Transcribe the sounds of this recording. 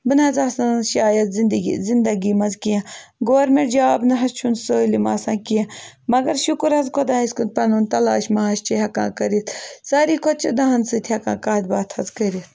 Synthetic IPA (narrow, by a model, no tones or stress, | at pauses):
bɨnɐzaːsaʃaːjɐt̪zind̪ɡḭzind̪ɐɡiːmɐzkijɐ̃ɡoːɾmeɾd͡ʒaaːbnɨɦɐzt͡ʃʰunsoːlimaːsãːkijẽ | mɐɡɐɾʃukɾɦɐzkʰod̪aːiskunpɐnunt̪ɐla̰ːʃmaːʃt͡ʃʰiɦɐkã̰ːkɐɾit̪ʰsaːɾiːkʰot͡ʃʰɐd̪ɐɦɐnsɨt̪ʰiɐkãːkaːd̪̚baːt̪ʰhɐzkəɾit̪ʰ